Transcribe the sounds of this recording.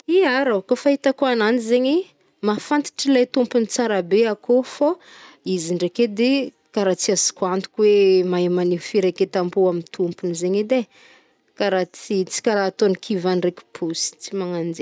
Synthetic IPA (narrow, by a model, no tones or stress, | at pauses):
iaɾakofaɦit̪akoananizeɲi | mafant̪i̥ʈ͡ʂilajt̪umpunit͡saɾabeakofo | iziɳɖ͡ʐeked̪e | kaɾat͡siazi̥kwant̪u̥kʲwemamaniɦfiɾeket̪ambuamint̪ʰumpunizeɲed̪e | kaɾat͡sit͡si̥kaɾat̪onikʰivanreki̥pʰusi̥t͡simaŋand͡ze